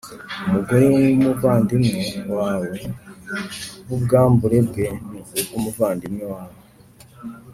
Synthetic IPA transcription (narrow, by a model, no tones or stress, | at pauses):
muɡaɾiŋumuvaːndimiwaːwe | βubɡaːmbuɾe̞b̚ɡe̞nuɡɡumuvaːndimiwaːwe